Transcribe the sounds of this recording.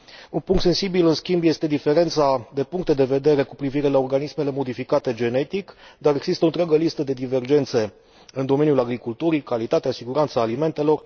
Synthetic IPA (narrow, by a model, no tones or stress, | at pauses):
unpuŋkt̪se̞nsibilɨnskʲimbje̞st̪e̞d̪ife̞ɾe̞nt̪sad̪e̞puŋk̚t̪e̞d̪e̞ve̞d̪e̞ɾe̞kupɾiviɾe̞laorɡanisme̞le̞mo̞d̪ifikat̪e̞d͡ʒe̞ne̞t̪ikd̪aɾe̞ɡz̥ist̪əont̪ɾʲaɡəlist̪əd̪e̞d̪ive̞rd͡ʒe̞nt̪se̞ | ɨnd̪o̞me̞njulaɡɾikult̪uɾikalit̪at̪easiɡuɾant̪saːlime̞nt̪e̞lo̞r